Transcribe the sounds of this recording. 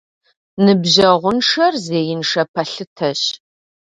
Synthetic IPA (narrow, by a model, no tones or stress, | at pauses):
nɨbʑɐʁʷʊnʂɐrzeːjɪnʂɐpʰɐɬɨtʰɐɕ